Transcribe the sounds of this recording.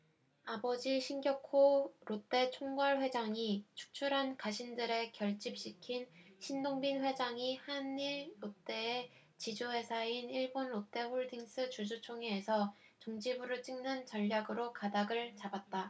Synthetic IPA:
abʌd͡ʑiɕʰinɡjʌkʰoɾot͈e̞t͡ɕʰoŋɡʌɭɸwe̞d͡ʑaŋit͡ɕʰu̥k̚t͡ɕʰuɾɦankaɕʰindɯɾe̞kjʌɭt͡ɕ͈ip̚ɕ͈ikʰinɕʰindoŋbinɸwe̞d͡ʑaŋihaniɾːot͈e̞ː | t͡ɕid͡ʑoɦe̞sʰainiɭbonɾot͈e̞ɸoɭdiŋs͈ɯt͡ɕud͡ʑut͡ɕʰoŋeːsʰʌ | t͡ɕoŋd͡ʑibuɾɯɭt͡ɕ͈iŋnɯnt͡ɕʌʎːaɡɯɾokadaɡɯɭt͡ɕabat̚t͈a

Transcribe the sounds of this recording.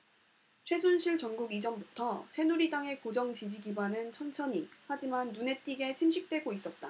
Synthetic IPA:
t͡ɕʰwe̞sʰunɕʰiɭt͡ɕʌŋɡuɡid͡ʑʌmbutʰʌsʰe̞nuɾidaŋe̞kod͡ʑʌŋt͡ɕid͡ʑiɡibwanɯnt͡ɕʰʌnt͡ɕʰʌɲihad͡ʑimanːune̞t͈iɡe̞t͡ɕʰimɕʰik̚t͈we̞ɡois͈ʌt̚t͈a

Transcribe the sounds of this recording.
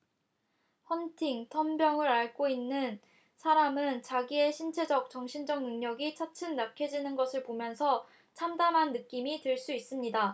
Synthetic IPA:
hʌntʰiŋtʰʌnbjʌŋɯɾaɭk͈oinːɯn | sʰaɾamɯnt͡ɕaɡie̞ɕʰint͡ɕʰe̞d͡ʑʌk̚t͡ɕʌŋɕʰind͡ʑʌŋnɯŋɲʌɡit͡ɕʰat͡ɕʰɯmnakʰed͡ʑinɯnɡʌsʰɯɭpomjʌnsʰʌ | t͡ɕʰamdamɦanːɯk͈imiteɭs͈uis͈ɯmɲida

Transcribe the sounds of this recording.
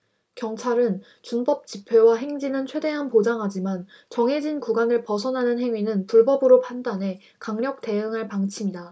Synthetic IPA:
kjʌŋt͡ɕʰaɾɯn | t͡ɕunbʌp̚t͡ɕ͈ipʰewaɦe̞ŋd͡ʑinɯnt͡ɕʰwe̞de̞ɦanpod͡ʑaŋɦad͡ʑiman | t͡ɕʌŋɦe̞d͡ʑinkuɡanɯɭpʌs̬ʰʌnɦanɯnɦe̞ŋɥinɯnpuɭbʌbɯɾopʰandane̞ | kaŋɲjʌk̚te̞ɯŋɦaɭpaŋt͡ɕʰimida

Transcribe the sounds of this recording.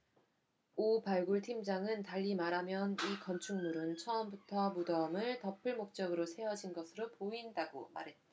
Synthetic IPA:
opaɭɡuɭtʰimd͡ʑaŋɯntaʎːimaɾamjʌnikʌnt͡ɕʰuŋnuɾɯnt͡ɕʰʌːmbutʰʌmudʌmɯɭtʌpʰɯɭmok̚t͡ɕ͈ʌɡɯɾosʰe̞ʌd͡ʑinɡʌsʰɯɾopoindaɡo̰ma̰ɾɦe̞t̚taa

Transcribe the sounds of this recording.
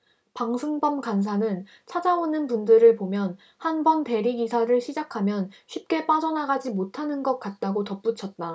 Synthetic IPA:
paŋsʰɯŋbʌmkans̬ʰanɯn | t͡ɕʰad͡ʑaonɯnpundɯɾɯɭpomjʌn | hanbʌnte̞ɾiɡisʰaɾɯɭɕʰid͡ʑakʰamjʌnɕʰɥip̚k͈e̞p͈ad͡ʑʌnaɡad͡ʑimotʰanɯnɡʌk̚k͈at̚t͈aɡotʌp͈ut͡ɕʰʌt̚t͈a

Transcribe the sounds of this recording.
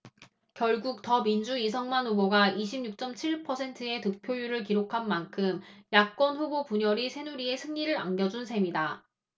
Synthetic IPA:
kjʌɭɡuk̚tʌmind͡ʑuisʰʌŋmanuboɡaiɕʰibɲuk̚t͡ɕ͈ʌmt͡ɕʰiɭpʰʌsʰe̞ntʰɯe̞tɯk̚pʰjojuɾɯɭkiɾokʰanmankʰɯmjak̚k͈wʌnɸubopuɲʌɾisʰe̞nuɾie̞sʰɯŋɲiɾɯɾa̰ŋɡjʌd͡ʑunsʰe̞mida

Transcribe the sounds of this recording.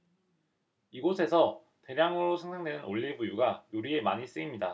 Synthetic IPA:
iɡosʰe̞sʰʌ | te̞ɾjaŋɯɾosʰʌŋsʰaŋdwenɯnoʎːiɭbujuɡajoɾie̞maɲis͈ɯimɲida

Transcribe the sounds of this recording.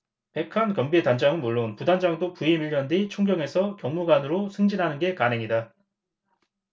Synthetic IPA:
pe̞kʰankʌmbietand͡ʑaŋɯnmuɭːonpudand͡ʑaŋdopuimiʎːjʌndit͡ɕʰoŋɡjʌŋe̞sʰʌkjʌŋmuɡanɯɾosʰɯŋd͡ʑinɦanɯnɡe̞kanɦeŋida

